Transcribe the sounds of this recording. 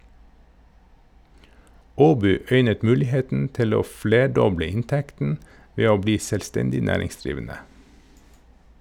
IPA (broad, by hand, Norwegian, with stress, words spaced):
ˈoːbyː ˈœʏnət ˈmʉːlɪˌheːtn̩ ˈtɪl ˈoː ˈfleːˌɖɔblə ˈɪntɛktn̩ ˈʋeː ˈoː ˈbliː sɛlˈstɛndɪ ˈnæːɾɪŋsˌdɾiːʋənə